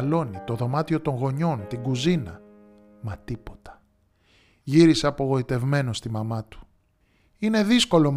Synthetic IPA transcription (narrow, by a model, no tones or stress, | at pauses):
lo̞nit̪o̞ðo̞mɐt̪io̞t̪oŋɣo̞ɲo̞nt̪iɡuzinɐ | mɐt̪ipo̞̥t̪ɐ̥ | ʝiɾiseɐpo̞ɣo̞it̪e̞vme̞no̞st̪imɐmɐt̪u̥ | ine̞ðisko̞lo̞m